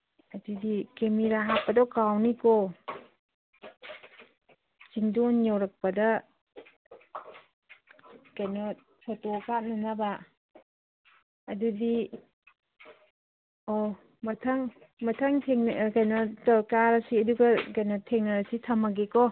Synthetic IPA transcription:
adudikemiɾaɦapːadɔkawnikɔ | siŋdɔnjawɾak̚pɐda | kajnɔ | tʰɔtɔkat̚nanaba | dudi | ɔ | mɐtʰaŋ | mɐtʰaŋtʰeŋkajnɔtɔkaɾasiɐduɡakajnɔtʰeŋnaɾasitʰamaɡekɔ

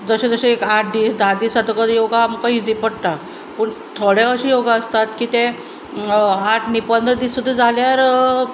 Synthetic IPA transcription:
d͡zəɕẽd͡zəɕeekaʈʰd̪iːsd̪aɾd̪iːsat̪əkəd̪joɡaːmkəɦid͡zipəɽʈ̪a | puːɳ | t̪ʰoɽeəɕijoɡaəst̪at̪kiːt̪ẽ | aʈʰnipənd̪ɾəd̪isud̪ʱːəd͡zaljaɾ

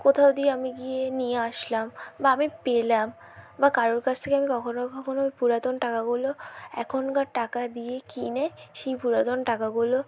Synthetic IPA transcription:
kot̪ʰaod̪ieamiɡijenijeaʃlambaamipelam | bakaɾoɾkat͡ɕʰt̪ʰekeamikɔkʰonokɔkʰonojpuɾat̪onʈakaɡuloɛ̰kʰonkaɾʈakad̪iekinɛʃijpuɾat̪onʈakaɡulo

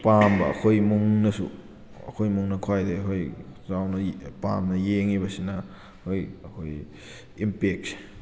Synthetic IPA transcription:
pambɐɐ̰kʰojmuŋnɐsṵ | ɐ̰kʰojmuŋnɐkʰwajdekʰojzawnɐpa̰mnɐjeŋibɐsinɐ | kʰojɐkʰoj | impek̚se̥

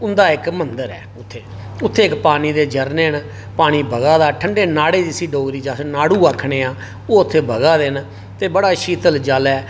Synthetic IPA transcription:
ʊnd̪aːɪkmənd̪əɾɛ̰ːʊt̪ʰːeː | ʊt̪ʰːeːɪkpaːniːd̪eːd͡ʒəɾneːn | paːɽ̃iːbəɡaːd̪aːʈʰəɳɖeːnaːɽeːd͡ʒɪsiːɖoːɡɾiːd͡ʒaːsnaːɽuːaːkʰɳeːaː | oːʊt̪ʰːeːbəɡaːd̪en | t̪eːbəɽaːʃiːt̪əld͡ʒaːlɛː

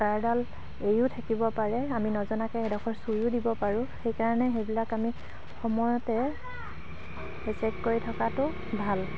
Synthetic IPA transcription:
kaɹdal | ejʊtʰakibɔpaɹɛaminɔzɔnakɛɛdɔkʰɔɹsujʊdibɔpaɹʊ̃xejkaɹanɛxejbilakami | xɔmɔjɔtɛ | ɹɛsɛkkoɹitʰɔkatʊ | bʱal

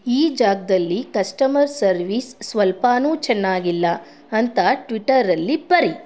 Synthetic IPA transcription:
iːd͡ʒaːɡ̚d̪ɐlːikɐsʈɐmɐɾsɐɾʋiːsːʋɐlpaːnuːt͡ʃɛnːaːɡilːɐ | ɐnt̪ɐʈʋiʈɐɾɐlːibɐɾi

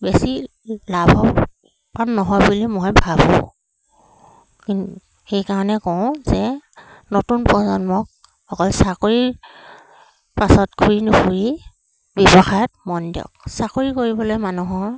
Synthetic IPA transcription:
besi | labʱɔ | panːɔɦɔjbulimɔjbʱabɔ̰ | kint | xejkaɹɔnɛkɔ̃ʊ̃zɛnotunpɔzɔnmɔk̚ | xɔkɔlsakoɹi | pasɔtkʰuɹinʊpuɹi | bɔbɔxajɔt̚mɔndijɔ̰k̚sakoɹikoɹibɔlojmanuɦɔɹ

